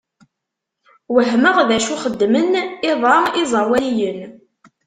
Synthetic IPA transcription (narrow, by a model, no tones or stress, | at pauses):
wəɦməʁðæʃuχəd̪ːmənɪðˤɾˤɑɪzˤɑwæjən